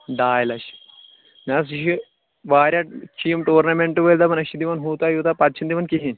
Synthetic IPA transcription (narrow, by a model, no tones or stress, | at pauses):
ɖaːjlɐʃ | nʲas̬iʃi | ʋaːɾʲjat͡ʃʰijmʈoːɾnɐmeɳʈuʋɐlʲd̪ɐmɐnɐʃid̪iʋɐnɦuːt̪ajut̪apɐt̪t͡ʃʰind̪iʋɐnkiɦinʲ